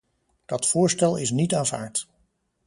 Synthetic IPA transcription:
d̥ɑtfʊːɹstɛlˠɪs̬nitaːnva̰ːɹt

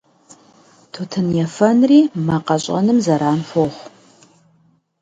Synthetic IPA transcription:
tʰutʰɨnjɛfɐnriːmaqɐɕʼɐ̰nɨmzɐɾaːnħʷoχʷ

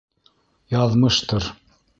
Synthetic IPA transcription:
jɑðmɤʃt̪oɾ

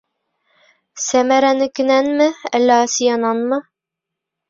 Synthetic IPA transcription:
sæmæɾænɘkɘ̆nænmɘæ̰lːæɑsijɑnɑnmɤ

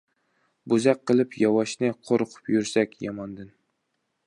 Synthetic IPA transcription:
bʊzak̚ʲqːɨlˠɪpjɒwɑʃnɪqʰoɾqʰʊ̥pjʊɾsakʲjɒmɒnd̪ɪn

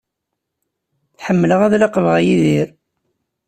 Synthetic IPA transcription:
θħəmːələʁæðlaqəvʁæjiðiɾ

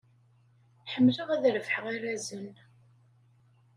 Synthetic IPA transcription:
ħəmːlʊʁæðɾəvħəʁiɾæzən

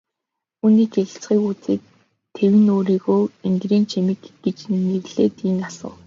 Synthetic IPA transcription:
uniːɡeɮ̆ɬt͡sɢiːkut͡sḛːk | t̪ʰːewɘ̆noːɾiːɣoːeŋɡriːnt͡ɕʰemĭkɡ̥et͡ɕneɣɮ̥eːt̪iːŋasə̰̆w

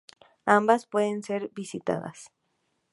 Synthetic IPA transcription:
ambaspweðenseɾbisit̪a̰ða̰s

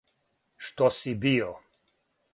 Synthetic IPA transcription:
ʃt̪ɔsibio

